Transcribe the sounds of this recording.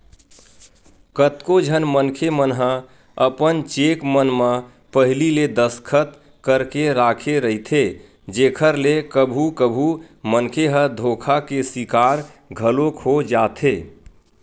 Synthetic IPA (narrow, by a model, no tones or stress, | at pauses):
kət̪kod͡ʒʱənmənkʰemənɦə̃ | əpənt͡ʃekmənmə | pəɦliled̪əskʰət̪ | kəɾkeɾakʰeɾəɦit̪ʰe | d͡ʒekʰəɾlekəbʱukəbʱu | mənkʰeɦə̃d̪ʱokʰakesikaɾɡʱəlokʰod͡ʒat̪ʰe